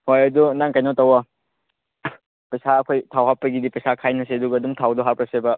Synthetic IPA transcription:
hojɐdunaŋkajnotɐwɐ | pɐjsaɐkʰojtʰawɦapːɐɡidipɐjsakʰajnɐseɐduɡɐɐduŋtʰawduɦapɾɐsebɐ

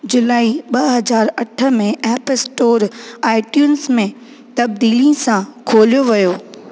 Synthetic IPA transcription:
d͡ʑʊlaːiɓɐɦɐzaːɾɐʈʰə̆mẽʔɛːpsʈoːɾaːɪʈjuːnsmẽ | t̪ɐb̚d̪iːlĩsãkʰoːlijoʋijoː

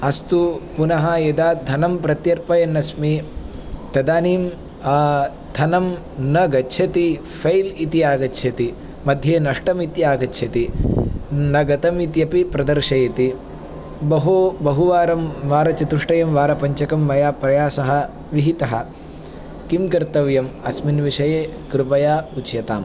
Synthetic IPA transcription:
ɐst̪upunɐɦɐjɐd̪aːd̪ʱɐnɐmpɾɐt̪jɐɾpɐjɐnːɐsmi | t̪ɐd̪aːniːm | aː | d̪ʱɐnɐm | nɐɡɐtːʃʰɐt̪i | fʰɐjlit̪iaːɡɐtːʃʰɐt̪i | mɐd̪ʱjeːnɐʂʈɐmit̪jaːɡɐʃʰɐt̪i | nɐɡɐt̪ɐmit̪jɐpipɾɐd̪ɐɾʂɐjɐt̪i | bɐɦubɐɦuʋaːɾɐmʋaːɾɐt͡ʃɐt̪uʂʈɐjɐmʋaːɾɐpɐɲt͡ʃɐkɐmːɐjaːpɾɐjaːsɐɦɐ̆ | ʋiɦit̪ɐɦɐ̆ | kimkɐɾt̪ɐʋjɐmɐsminʋiʂɐjeːkɾupɐjaːut͡ʃjɐt̪a̰ːm

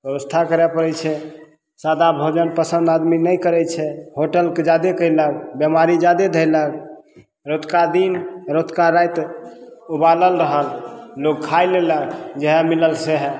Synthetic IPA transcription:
bjəbəst̪ʰakəɾɛpəɾɛt͡ʃʰɛ | sad̪abʱod͡ʒənpəsə̃nd̪ad̪minəjkəɾɛt͡ʃʰɛhoʈəlked͡ʒad̪ekəjləɡbjəmaɾid͡ʒad̪ed̪ʱəjləɡ | ɾot̪kad̪inɾot̪kaɾajt̪ | ubaləlɾəɦəllokkʰajleləɡd͡ʒeɦɛmiləlseɦɛ

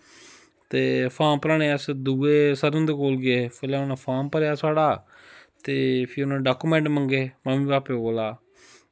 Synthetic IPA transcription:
t̪eːpʰaːmpəɾaːɽ̃ẽːəsd̪uːeːsəɾənd̪eːkoːlɡɪeːpɛːleːʊnãːpʰaːmpəɾejaːsaːɽaː | t̪eːpʰɪʊnãːɖaːkuːmɛ̃ːɳʈməŋɡeːməmĩːpaːpeːkoːlaː

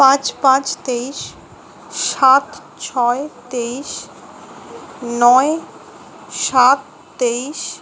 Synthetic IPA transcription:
pãt͡ɕpãt͡ɕt̪eiʃ | ʃːat̪ | t͡ɕʰɔet̪eiʃ | nɔe | ʃat̪ː | eiʃ

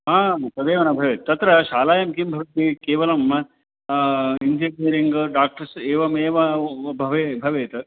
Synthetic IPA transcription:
ɦaːt̪ɐd̪eːʋɐnɐbʱɐʋeːt̪t̪ːɐt̪ɾɐʃaːlaːjɐmkimbʱɐɾut̪̚bikeːʋɐlɐm | ind͡ʒekniːɾiŋɡɖaːk̚ʈɐɾseːʋɐmeːʋɐbʱɐʋebʱɐʋeːt̪

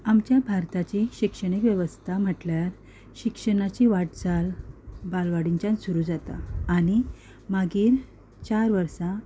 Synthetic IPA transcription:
amt͡ɕjabʱaɾt̪at͡ɕiɕikʂəɳ̃ikʋjeʋəst̪ʰam̤əʈljaɾ | ɕikʂəɳ̃at͡ɕiʋaʈd͡zalbalʋaɽiɲt͡ɕansuɾuːd͡zat̪a̰ːɽ̃i | maɡiːɾ | t͡ɕaɾʋəɾsa

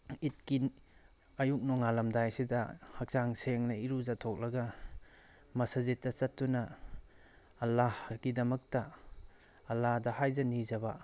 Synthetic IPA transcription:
it̚kin | ɐjuk̚nɔŋalɐmdajsidɐhɐk̚saŋseŋnɐiɾuzatʰok̚lɐɡɐ | mɐsazitːɐt͡ʃɐtːunɐ | lːahɡ̥idɐmɐk̚tɐː | lːahdɐhajzɐnizɐbɐ

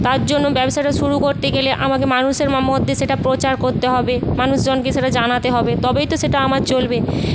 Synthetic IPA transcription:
t̪aɾd͡ʑonːobɛboʃaeʈaʃuɾukoɾt̪eɡeleʔamakemanuʃeɾmamod̪ʱːeʃeʈapɾot͡ɕaɾkoɾt̪eɦɔbemanuʃd͡ʑonkeʃeʈad͡ʑanat̪eɦɔbet̪ɔbet̪oʃeʈaamaɾt͡ɕolbe

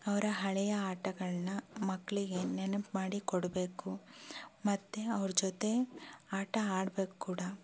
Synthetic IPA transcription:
ɐʋɐɾɐɦɐɭɛjɐaːʈɐɡɐɭɐnɐmɐkːɐɭiɡe̞nenɐpmaːɽikɔɽbe̞ːku | mɐt̪ːeɐʋɐɾd͡ʒɔt̪e̞aːʈɐaːɽbe̞ːkukuːɽɐ

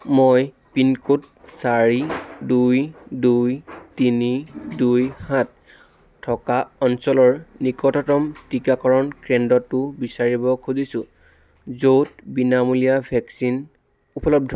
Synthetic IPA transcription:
moj | pinkut̚ | saɹidujdujtinidujhat | tʰːɔkaɔnsɔlɔɹnikɔtɔtɔmtikakɔɹɔnkɹɛndɔtːʊbisaɹibɔkʰuzisʊ | zowtbinamulijabʱɛksin | upɔlɔb̚dʱɔ

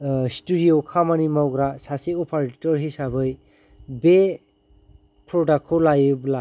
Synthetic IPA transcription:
studiokʰamanimawɡɾasasiɔpʰaɾetɔɾɦisabɯj | be | pʰɾɔdakʰːɔlajɯbla

